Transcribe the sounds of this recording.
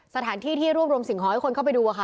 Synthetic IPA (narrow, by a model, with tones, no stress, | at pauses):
sa˧t̪ʰaː˩˦nt̪ʰiː˥˩t̪ʰiː˥˩ɾu˥˩əp̚ɾu˧əmsi˨˩˦ŋɦɔː˨˦jkʰo˧nkʰa˥˩pa˧jduː˧ʔa˨kʰa˥˩